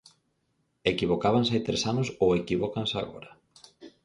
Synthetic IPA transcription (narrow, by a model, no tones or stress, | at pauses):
ekiβokaβans̬ajt̪ɾesanosowekiβokansa̰ɣo̰ɾɐ